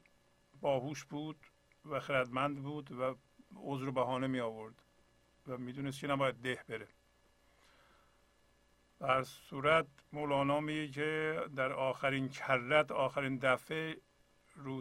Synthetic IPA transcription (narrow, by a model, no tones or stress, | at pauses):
bɒːhuːʃbuːd̪̥ | væxeɾæd̪mænd̪buːd̪væ | ozɾobæhɒːnemiːɒːvoɾd̪̥ | væmiːd̪uːnes̬cʰenæbɒːjæd̪̚ːehbeɾe | b̥ehæɾsuːɾæt̪molɒːnɒːmiːjecʰed̪æɾɒːxæɾincʰærːæt̪ɒːxæɾiːnd̪æfe | ɾuː